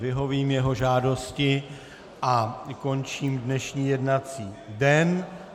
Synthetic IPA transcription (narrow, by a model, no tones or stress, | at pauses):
vɪɦo̞viːmjɛɦo̞ʒaːdo̞scɪ | ʔako̞nt͡ʃiːmdnɛʃɲiːjɛdnat͡siːdɛn